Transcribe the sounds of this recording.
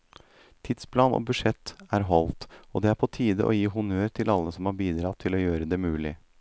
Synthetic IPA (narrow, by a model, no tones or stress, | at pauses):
t̪ʰɪd̪spʰlɑːno̰ːbʉʂɛt̪ːæɾɦɔlt̪od̪ɛæɾpʰɔt̪ʰiːd̪ə̰ʔo̰ːjiːɦʊnøːɾt̪ʰɪlɑlːəsɔmhɑɾbiːd̪ɾɑt̪ʰːɪloːjøːɾəd̪ɛmʉːlɪ